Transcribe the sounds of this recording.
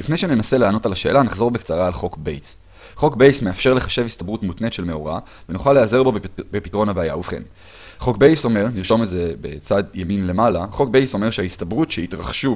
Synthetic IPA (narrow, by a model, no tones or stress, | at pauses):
lifnejʃene̞nase̞leano̞talaʃe̞̰ːlanaχzo̞ʁbekt͡saʁaːlχo̞kbḛjs | χo̞kbe̞jsmeafʃe̞ʁle̞χaʃe̞vistabʁutmutnetʃe̞lme̞o̞̰ʁa̰ | venuχaleaze̞ʁbo̞bepitʁo̞nabeaja̰uvχḛn | χo̞kbejso̞me̞ʁniʁʃo̞meze̞be̞̰t͡sad̪jeminle̞malaχo̞kbejso̞me̞ʁʃeaistabʁutʃeitʁaχʃu